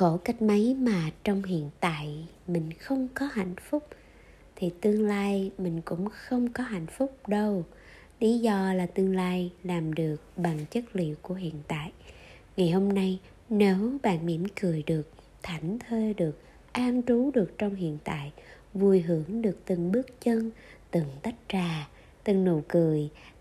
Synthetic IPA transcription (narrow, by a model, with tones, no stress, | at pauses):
xo˧˩ka˦˥jk̟̚mə˨˦jmaː˨˩t͡ɕɔ˧wŋ͡mɦḭ˧˨ənt̪a̰ː˧˨j | mï˨˩ŋ̟xə˧wŋ͡mkɔ˨˦ɦa̰˧˨jŋ̟fʊ˦˥k͡p̚ | t̪ʰi˨˩t̪ɨ˧əŋlaː˧jmï˨˩ŋ̟kʊ̰˧˥ŋ͡mxə˧wŋ͡mkɔ˨˦ɦa̰˧˩˨jŋ̟fʊ˦˥k͡p̚ɗə˧w | li˨˦zɔ˧laː˨˩t̪ɨ˧əŋlaː˧jlaː˨˩mɗɨ˨˩ək̚ɓa˨˩ŋt͡ɕə˦˥k̚lḭ˧˨əwku˧˩əɦḭ˧˨ənt̪a̰ː˧˨j | ŋa˨˩jho˧mna˧j | ne˨˦wɓa̰ː˧˨nmḭ˧˩əmkɨ˨˩əjɗɨ˨˩ək̚ | t̪ʰa˨˧˩jŋ̟t̪ʰe˧ɗɨ˨˩ək̚ | ʔaː˧nt͡ɕu˨˦ɗɨ˨˩ək̚t͡ɕɔ˧wŋ͡mɦḭ˧˨ənt̪a̰ː˧˨j | vu˨˩jɦɨ˧˩əŋɗɨ˨˩ək̚t̪ɨ˨˩ŋɓɨ˦˥ək̚t͡ɕə˧nt̪ɨ˨˩ŋt̪a˦˥jk̟̚t͡ɕaː˨˩ | t̪ɨ˨˩ŋno̰˧˨kɨ˨˩əj